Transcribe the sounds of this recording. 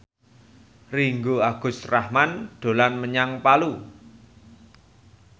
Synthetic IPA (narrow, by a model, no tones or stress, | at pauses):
riŋɡoaɡ̥ʊ̤st̪rahmanɖ̪̥o̤lanməɲaŋpalu